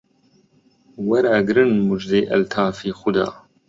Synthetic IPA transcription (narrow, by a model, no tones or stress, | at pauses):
wɐɾaɡɾɨnmud͡ʒd̪eːʔɐ̰lt̪ʰaːfiːxʊd̪a̰ː